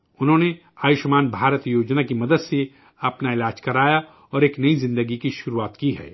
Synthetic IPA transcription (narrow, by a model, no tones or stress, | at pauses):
ʊnɦõːne | aːjʊʃmaːnbʱaːɾət̪joːd͡ʒnakimɐd̪əd̪se | ɐpnaɪlaːd͡ʒkɐɾaːja | ɔːɾeːknɐizɪ̃nd̪əɡikiʃʊɾuaːt̪kiɦɛ̰ː